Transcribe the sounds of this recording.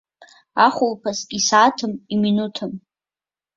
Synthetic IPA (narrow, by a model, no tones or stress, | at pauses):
aχʷʊlpʰasʲisaːtʰɨmiminutʰɨm